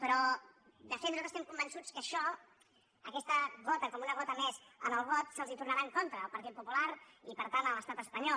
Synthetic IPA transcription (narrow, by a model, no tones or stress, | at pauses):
pɾɔ | d̪əfet̪nuzazst̪ɛmkumbənsut͡skəʃɔ | əkɛst̪əɣɔt̪əkɔmunəɣɔt̪əmɛzənəlˠβɔt̪səlˠzit̪urnaɾaəŋkont̪ɾəːlˠpəɾt̪it̪̚pupulaɾipəɾt̪anələst̪at̪əspəɲɔ